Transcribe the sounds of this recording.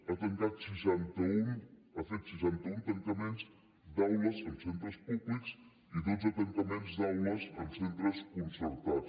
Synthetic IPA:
ɐt̪ẽŋk̪aðsiʃɛnt̪ɐũɐfejt̪siʃɛ̃nt̪ɐũt̪ẽnt̪ɐmẽnt̪uz | d̪awlɐzɐ̃nsẽnt̪ɾɐʃpuβliku̥s | iðozɐt̪ẽnt̪ɐmẽnt̪uzd̪awlɐzɐ̃nsẽnt̪ɾɐʃkũnsɐɾt̪aðuʃ

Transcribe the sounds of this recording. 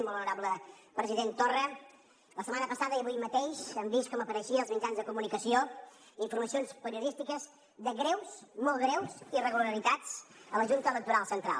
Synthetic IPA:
mbolˠunuɾaβləpɾəziðent̪orə | ləsəmanəpəsaðəiəβujmət̪eʃəmbiskɔməpəɾəʃiəːlˠzmid͡ʒanzðəkumunikəsio | iɱfuɾməsionspəɾiuðist̪ikəz | ðəɣɾewsmolˠɣɾewsirəɣuləɾit̪at͡sələʒunt̪ələk̚t̪uɾalˠsənt̪ɾa̰lˠ

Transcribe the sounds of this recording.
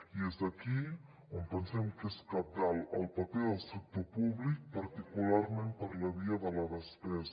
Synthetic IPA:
iezd̪aki | ompənsɛmkeskap̚daləlˠpapeðəlˠsuk̚t̪opuβlik̚paɾt̪ikulaɾmẽmpəɾlɐβiaðəlaðəspɛs

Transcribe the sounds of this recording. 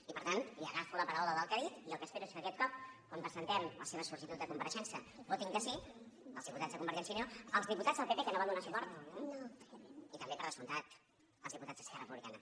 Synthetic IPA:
ipəɾt̪aniəɣafuləpəɾawləðəlˠkəɾit̪iəlˠkəspeɾueskəkɛt̪̚kɔp̚kwampɾəzənt̪ɛmləseβəsuɾʒit̪ut̪dðəkumbəɾəʃɛnsiəbot̪iŋkəsi | əlˠzðiput̪ad͡zzðəkumbəɾɛnsinoəlˠzðiput̪adzðəlˠpepekənoβand̪unasupɔɾt̪ | it̪əmbeəɾðəsunt̪at̪ | əlzðiput̪ad͡zzðəskɛrəpuβlikanə

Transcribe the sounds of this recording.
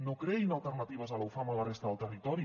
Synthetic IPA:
nokɾɛinalˠt̪əɾnat̪iβ̞əzalawfamalarest̪əðəlˠt̪ərit̪ɔɾi

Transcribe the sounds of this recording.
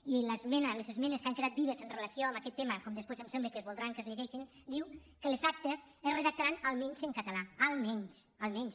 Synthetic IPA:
iləzmɛnəlezezmɛneskaŋkeðat̪̚biβezənrelasioambakɛt̪ːeməkomd̪əspwezəmsembləkəzβulˠd̪ɾaŋkəzʎeʒɛʃin | d̪iw | kəlzak̚t̪es | əzreðak̚t̪aɾanalˠmɛɲzəŋkat̪alaalˠmɛɲsalˠmɛɲs

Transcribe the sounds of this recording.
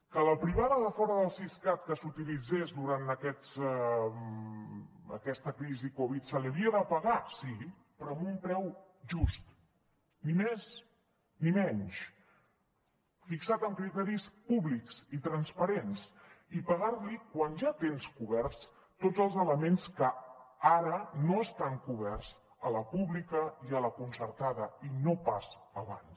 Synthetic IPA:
kələpɾiβ̞aðəðəfɔɾəðəlˠsiskat̪kəsut̪ilid͡zezd̪uɾant̪əkɛsɛ | ə̰kɛst̪əkɾizikɔβ̞it̪səliəβiəðəpəɣasi | pəɾɔəmumpɾɛw | ʒust̪ | nimes | nimɛɲʃ | fiksat̪əŋkɾit̪ɛɾispuβliksit̪ɾənspəɾens | ipəɣarlikwanʒat̪enskuβɛɾs | t̪od͡zəlˠzələmenskəaɾənoəst̪aŋkuβɛrz | ələpuβlikəiələkunsəɾt̪aðəinopasəβa̰ns

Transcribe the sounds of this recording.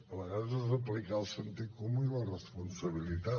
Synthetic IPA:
ələɣaɾzəzəplikalˠsənt̪ikomuilərəspunsəβilit̪a

